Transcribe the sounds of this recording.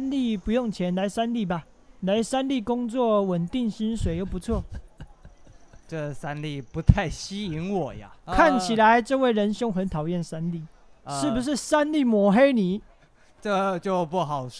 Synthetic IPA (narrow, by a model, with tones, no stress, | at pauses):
a˥nli˥˨pu˧˦jʊ˥˩ŋt͡ɕʰjɛ˧˦˥nla˧˥ɪsa˥˦nli˥˩ba˨ | la˧˦˥ɪsa˦˥nli˥˩˨kʊ˥ŋt͡swɔ˥˨˩wə˨˩nt̪i˥˩ŋɕi˥nswe˨˩ɪjo˥˩ʊpu˧˦t͡sʰwɔ˥˩ | ʈ͡ʂə˥˩sa˦nli˥˩pu˨˦t̪ʰa˥˩ɪɕi˥i˧˦ŋwɔ˨˩ja̰˨˦kʰa˥˩nt͡ɕʰi˨la˨˦ɪʈ͡ʂɤ˥˧we˥˩ɪɻə˧˦nɕjʊ˥ŋxə˧˦nt̪ʰɑ˨˩ʊjɛ˥˨nsa˦˥nli˥˨ | ʂɻ̩˥˩bu˨˩ʂ̬ɻ̩˥˩sa˦nli˥˩mwɔ˨˩xe˥˦ɪni˨˩˦ | ʈ͡ʂt͡ɕjo˥˧ʊpu˧˥˩ɦɑ˨˩ʊ